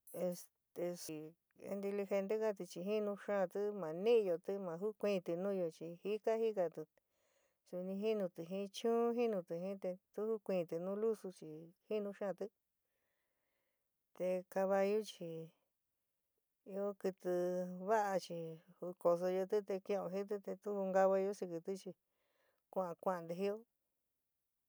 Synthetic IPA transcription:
e˧s | t̪e˧si˧˨ | ḛ˧nt̪i˧li˧xe˧nt̪e˦ka˦t̪i˧t͡ʃi˧ɦi˦nũ˧ʃã˦˨˧t̪ɨ˦mã˨nĩ˦ʔjo˧t̪ɨ˦mã˨˧ɦu˦kʷĩ˦˧t̪ɨ˧nũ˦jo˧t͡ʃi˧hi˦ka˦hi˦ka˧t̪u˧ | su˧nĩ˧ɦi˦nũ˧t̪ɨ˨ɦĩ˦t͡ʃũː˦ɦi˦nũ˧t̪ɨ˧ɦĩ˦t̪e˧t̪u˦hu˦kʷĩː˧˨t̪ɨ˧nũ˦lu˦su˧t͡ʃi˨hi˦nũ˧ʃã˦˨t̪ɨ˦ | t̪e˧ka˧βa˧ju˦t͡ʃi˧ | i˧˦o˦kɨ˧t̪ɨ˧βa˦ʔa˧t͡ʃi˧hu˧ko˧s̬o˧jo˧t̪i˦t̪e˧kĩ˧õ˧i˦t̪̬ɨ˦t̪e˧t̪u˦u˧ŋɡa˧βa˧jo˦si˧kɨ˧t̪u˦t͡ʃi˧ | kʷã˦˨ã˧kʷã˧˨ã˧nd̪e˧ɦi˦jo˦

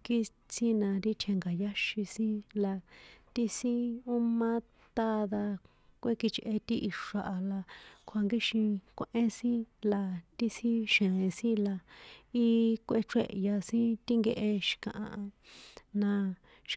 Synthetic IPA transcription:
ki˦ | t͡sĩ˦nã˧ɾi˦t̪ʰe˧ŋɡa˨ja˦ʃi˧sĩ˦la˧t̪i˦sĩ˦u˦mã˦ | t̪a˦˧ða˧ | kʷe˦ki˧t͡ʃʔe˧t̪i˦ʔi˧ʂa˧ʔa˧la˧kʷʰa˧ŋɡi˦ʃĩ˧kʷe˧ʔẽ˦sĩ˦la˧t̪i˦sĩ˦ʃẽ˨ẽ˧sĩ˦la˧i˦kʷe˧˦ʈ͡ʂḛ˦˨ʔja˧sĩ˦t̪i˦ŋɡe˧ʔe˧ʃi̥˧kã̰˧ʔã̰˧˨ʔa˧nã˧ | ʃ

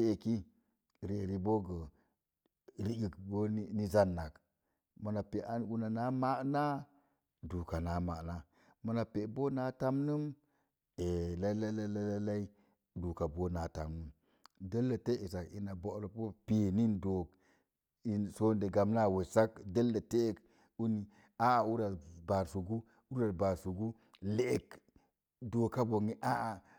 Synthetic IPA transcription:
e˦e˨ki˦ | ɾe˨ɾi˨bo˦ɡə˨ | ɾi˦ɡi˨kbo˦ni˦za˦nːa˨k | mə˨na˨pe˨ʔa˦nɡu˦na˨na˦ma˦ʔna˦ | du˨ka˨na˨˦ma˨na˦ | mə˨na˨pe˨bo˦na˦ta˦mnɨ˦m | e˨la˦i˦la˦la˦la˦la˦la˦i˦ | du˨ka˨bo˦na˨ta̰˨mnu˦m | de˦lːa˨te˦ʔi˨sa˨ki˦na˨bo˨˦˨lo˨po˦pe˨ni˦ndo˨k | i˦nso˦nde˨ɡa˨m˦na˦˨we˨sa˦kde˦lːa˨te˦˨k | u˦ni˨ | a˦˨u˦ɾa˨ba˨su˨ɡu˦ | u˦ɾa˨ba˨su˨ɡu˦ | leː˦k | do˨ka˦bo˨ŋi˦ʔa˦ʔa˨

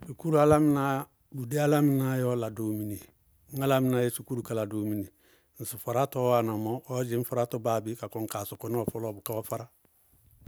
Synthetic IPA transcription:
su˨ku˦ɾu˦a˦la˦mɪ˦na˦ | bu˨de˦a˦la˦mɪ˨na˦jɔ˦la˨do˨˦mi˨ne˨ | ŋ̩˦a˦la˦mɪ˨na˨˦je˦su˨ku˦ɾu˨ka˨la˨doː˨˦mi˨ne˨ | n̩˨sɪ˨fa˨ɾa˦tɔ˦wa˨na˨mɔ˦ɔ˦d͡ʒɪ˦ɱ̩˦fa˨ɾa˦tɔ˦baː˨bɪ˦ka˨kɔ˨ŋ˨ka˨sʊ˨kɔ˦n˦ɔ˨fɔ˦lɔː˦bʊ˨ka˦ɔ˦fa˦ɾa˦

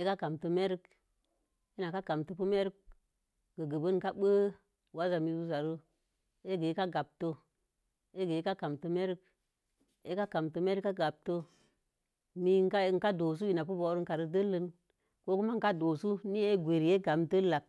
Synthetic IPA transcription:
e˦ka˦ka˨mtə˧me˦ɾk | i˦na˨ka˦ka˨mtə˦pu˦me˦ɾk̚ | ɡə˨ɡə˨bə˦nŋ˨ka˦ɓə˦ | wa˦za˨mi˧˦zu˦za˨ɾu˦ | e˦ɡe˨˦ka˦ɡa˨b̚to˦ | e˦ɡe˨˦ka˦ka˨mtə˦me˦ɾk | e˦ka˦ka˨mtə˦me˦ɾka˦ɡa˨b̚to˦ | mi˦ŋ˦ka˦ŋ̩˨ka˦do˨s̬u˦i˨na˨pu˦bo˨˦ɾu˦ŋka˨ɾə˦də˦lə˦n | ko˦ku˦ma˦ŋ̩˨ka˦do˨su˦ni˦e˦ɡʷe˨ɾi˨je˦ɡa˨mtə˦la˨k̚

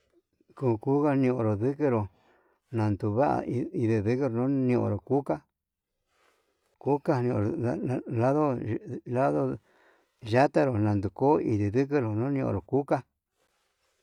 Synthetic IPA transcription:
kuː˧ku˦ka˦nĩ˧õ̰˧˨ɾo˨ðɨ˦kɨ˦ɾo˨ | nã˨nd̪u˨βa˦ʔa̰˨˧i˧ðe˧˨ðɨ˦kɾo˧nõ˦nĩ˧˨ʔõ̰˨ɾo˨ku˦ka˦ | ku˦ka˦nĩ˧õ̰˧ɾo˨la˦ðo˦la˦ðo˦ | ʒa˦t̪a˦ɾo˨nã˨nd̪u˨ko˦ḭ˧ði˨ðɨ˦k̬ɨ˦ɾo˨nõ˦nĩ˧ʔõ̰˧˨ɾo˨ku˦ka˦

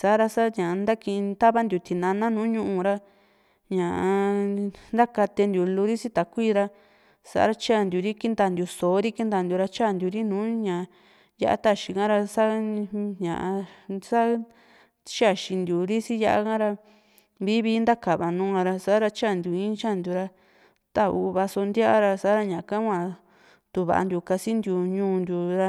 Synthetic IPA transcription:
sa˨˦ɾa˧sa˦ɲã˨˧nd̪a˦kĩ˧ĩ˧t̪a˦βa˦nd̪ju˨t̪i˨nã˧nã˦nũː˨˦ɲũ˧ʔũ˧ɾa˧ | ɲã˨ʔa˧ | nd̪a˦ka˧t̪e˧nd̪ju˨lu˧ɾi˦si˦t̪a˨kʷi˦˧ɾa˧ | sa̰˨ʔa̰˦ɾa˧t͡ʃa˦˨nd̪ju˨ɾi˦ki˦nd̪a˧˨nd̪ʲu˨so˨˦ɾi˦ki˦nd̪a˧˨nd̪ʲu˨˧ɾa˧t͡ʃa˦˨nd̪ju˨ɾi˦nũː˨˦ɲã˨ | ja̰˦˧ʔa̰˦t̪a˦ʃi˧kã˦ɾa˧sa˦ɲã̰˨ʔa˧sa˦ | t͡ʃa˦˨ʃi˧nd̪ʲu˨ɾi˦si˦ja˧ʔa̰˦kã˦ɾa˧ | βi˦βi˧˦nd̪a˦ka˨βa˨nũː˨˦kã˧ɾa˧sa˦ɾa˧t͡ʃa˦˨nd̪ju˨ĩː˦t͡ʃa˦˨nd̪ju˧ɾa˧ | t̪a˧ṵ˧βa˧so˧nd̪ja˦ʔa˦ɾa˧sa˨˦ɾa˧ɲã˨˧kã˦kʷã˧ | t̪u˧βa̰˨ʔa̰˧nd̪ju˧ka˧si˦nd̪ju˧ɲũː˧˦˧nd̪ʲu˧ɾa˧

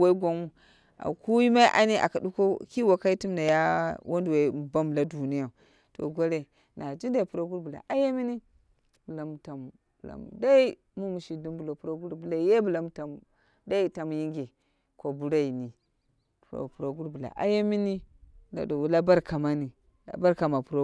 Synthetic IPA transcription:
wa˦i˦ɡʷa˦nu˦ | a̰˨ku˦ji˦ma˦i˦ʔa̰˦ni˦ʔa̰˨ka˨du˦ko˦ki˦wa˨ka˦i˦tu˦mnda˨ja˦wʔo˦ndu˨we˨ba˦m˨la˦du˨ni˦ja˨ | to̰˨ɡo˦ɾe˨ | na˨d͡ʒi˦da˨i˨pu˨ɾa˨˦ɡu˦ɾbu˨la̰˨ʔa˦ja˦mi˦ni˦ | bu˨la˨m˨ta˨m | bla̰˨m˨da˦i˦ | mu˦mu˨ʃi˨du˦mbu˨lo˨pu˦ɾa˦ɡu˦ɾbu˨la˨˦je˦bu˨la˨m˦ta˨m | da˦i˦ta˨mji˦ŋɡe˨ | ko˨bu˨ɾa˦i˨ni˨ | o̰˨pu˨ɾa˨ɡu˦ɾbu˨la̰˨ʔa̰˦ja˦mi˦ni˦na̰˨do˨wla˦ba˦ɾkʰa˨ma˦ni˨ | a̰˨ba˦ɾka˨ma˨pu˨ɾa˦

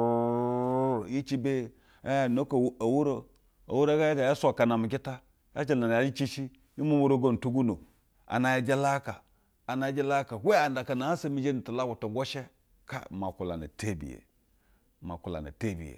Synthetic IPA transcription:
ji˦t͡ʃi˦be˦˨ | a˦ja˨no˦ko˨˦a˨wu˦ɾo˦ | a̰˨wu˦ɾa˦ɡa˦ja˦da˨ja˦sʷa˨ka˨na˨mi˨ɡ̬i˦ta˦ | ja˦t͡ʃi˨la˨n˨ja˨˦d͡ʒi˦t͡ʃi˦ʃi˦ | ji˦mu˦mu˦ɾo˦ɡo˦n˨tu˦ɡu˦no˨ | a̰˨na˨ja˦d͡ʒe˦la˦ka˨ | a˨na˨˦d͡ʒe˦la˦ka˨we˦a˨nda˨ka˨na˨a˦sa˦mi˦d͡ʒe˦ni˨tu˨la˦ku˨to˨ŋɡo˦ʃe˦ | ka̰˦ma˨ku˨la̰˨na̰˨te˦bḭ˨jḛ˨ | ma̰˨ku˨la̰˨na̰˨te˦bḭ˨jḛ˨

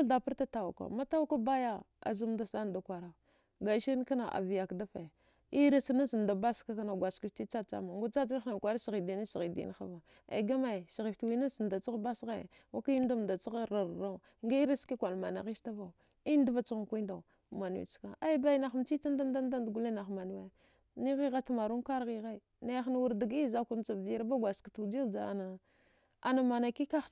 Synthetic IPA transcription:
a˦da˨pə˦ɾta˦ta˦˨u˨ka̰˨ma˦ta˦wu˦ka˦ba˦ja˦a̰˨zu˦mda˦sa˦n˨da˨kʷa˨ɾa˨ | ɡa˨˦ʃi˦n˦ka˦na˨ʔa̰˨vi˨ja˨kda˦fa˨ | i˦ɾa˦sna˦si˨n˨da˨ba˦ska˦ka˦na˨ɡʷa˨ski˨fti˦t͡sa˦t͡sa̰˦ma˨ŋɡu˦t͡sa˦d͡ʒi˦n˦a˦na˨kʷa˨ɾa˦si˨ɣi˨di˨ni˦si˨ɣi˨dḭ˦n˦xa̰˦va˨ | a̰˨ɡa˦ma˦˨si˨ɣi˨ftwi˦na˦sn˨da˨t͡si˦ɣba˦sɣa˦˨ | wa˦ka˦i˦n˦da˦m˨da˨t͡si˦ɣɾa˨ɾɾa˦˨˦ŋɡa˦i˦ɾi˦ski˦kʷa˨lma˨na̰˨ɣi˦sta˦va˨u˨ | i˦n˦da˦va˦t͡su˦ɣa˨kʷi˦da˨ | ma˨n˨wḭ˦t͡ʃka˨a˦i˦ba˦i˦na˨xm˦t͡ʃi˦a˦nda˦n˦da˦n˦da˦ndɡu˦le˦na˨xma˨n˦we˦˨ | ni˦ɣi˦ɣa˦ta˦ma˨ɾu˦n˦ka˦ɾɣi˦ɣa˦i˨ | na˦jxn˨wu˨ɾda˨ɡi˦za˦ku˦n˦t͡sa˨bi˨jɾba˦ɡʷa˨ska˨tu˨d͡ʒi˦d͡ʒa˦a̰˨na˨ | a̰˨na˨ma˨na˨ki˦ka˦˨

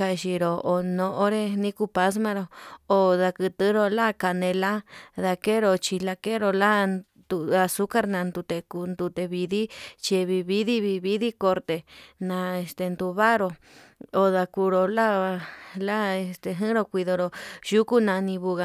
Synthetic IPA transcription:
a˧ʃi˧ɾo˨o˨nõ˧ʔo˦ɾe˦nĩ˦ku˧pa˧s̬mã˧ɾo˧o˨ða˧kɨ˧t̪ɨ˦ɾo˧la˦ka˧nẽ˧la˦ða˧ke˦ɾo˧t͡ʃi˧la˧ke˦ɾo˧la˦ | d̪u˧a˧su˦ka˦ɾnã˧nd̪u˧t̪e˧ku˧nd̪u˧t̪e˧βi˧ði˦t͡ʃi˧βi˧βi˦ði˦βi˧βi˦ði˦ko˧ɾt̪e˧nã˧e˧st̪e˧nd̪u˧βa˦ɾo˧ | o˨ða˧ku˧ɾo˧la˦˧la˦e˧st̪e˧ɦɨ̃˦ɾo˧kʷi˧ðo˧ɾo˧ʒu˦ku˦nã˧nĩ˧βu˧ɣa˧

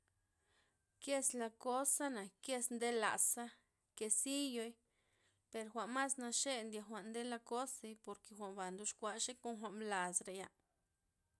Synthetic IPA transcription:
kje˦sla˧ko˦sa˦na˨ke˦snd̪e˦la̰˨sa˦ | ke˨si˦jo˧˦j | pe˨ɾxʷa˨ma˦sna˧ʃe˦nd̪ja˧xʷa˨ʔnd̪e˦la˧ko˦se˧jpo˨ɾke˨xʷa˨mba˨nd̪u˧˦ʃkʷa˧ʃe˦ko˦nxʷa˧ʔmla˨sɾe˨ja˧˨

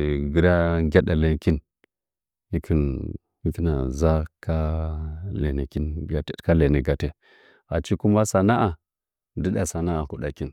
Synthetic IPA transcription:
ɡi˦ɾa˦ɡʲa˦ɗa˨le˨nki˦n | i˦kʰi˨n | i˦ki˦na˨za˦kʰa˦ | lḛ˨ni˨ki˦nɡa˨te˦ka˦le˨ni˨ɡa˨te˦ | a˨t͡ʃi˦ku˦ma˦sa˨na˦ʔa˨ | di˦ɗa˨sa˨na˦a˨ku˨ɗa˨ki˦n

